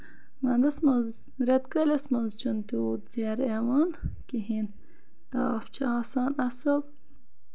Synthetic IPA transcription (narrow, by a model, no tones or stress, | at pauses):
mɐnd̪ɐsmɐz | ɾet̪kɐlesmɐnzt͡ʃʰunt̪it̪d͡ʒeɾemɐnkiɦin | k̪aːft͡ʃʰɐaːsaːnɐsɐb